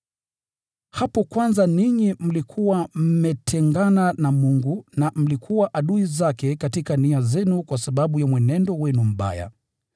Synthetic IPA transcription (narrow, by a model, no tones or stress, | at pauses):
hapɔkwanzaniɲim̩likʰuwam̩mɛtʰɛŋɡananamuŋɡunam̩likʰuwaʔaɗuizakɛkatikaniazɛnukwasaɓaɓujamwɛnɛndɔwɛnum̩ɓa̰ja̰